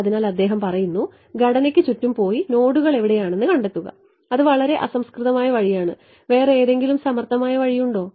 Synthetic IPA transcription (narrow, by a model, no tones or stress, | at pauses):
ɐðinaːlɐd̪ːe̞ːɦɐmpɐrɐjunːu | ɡʱɐɽɐnekʲːɨt͡ɕutːumpo̞ːjino̞ːɽuɣɐɭe̞ʋiɽe̞jaːɳe̞nːɨkɐɳɖe̞t̪ːuɣɐ̰ | ɐðɨʋɐɭɐɾe̞ʔɐsɐmskrɨðɐmaːjɐʋɐɻijaːɳɨ | ʋe̞ːreeːðe̞ŋɡilumsɐmɐrt̪ʰːɐmaːjɐʋɐɻijuɳɖo̞ː